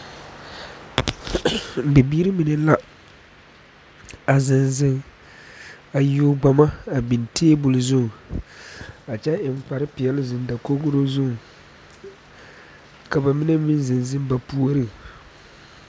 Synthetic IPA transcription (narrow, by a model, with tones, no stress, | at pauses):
bɛ˨biː˦ɾɨ˦mi˨nɛ˦la˦ | a˨zɪ˨nzɪ˦ŋ | a˨jo˦ɡ͡ba˨ma˦a˨bi˨nteː˦bʊ˨lɨ˨zʊ˦ŋ˨ | a˨t͡ʃɛ˦ʔɪ˨m˦k͡pa˨ɾɨ˦pɪ˨ɛ˦lɨ˦zɨ˨n˦da˨ko˦ɡʊ˦ɾo˦zʊ˦ŋ˨ | ka˨ba˨mi˦nɛ˦mi˦n˦zɨ˨nzɨ˦m˦ba˨pu˦o˦ɾɨ˦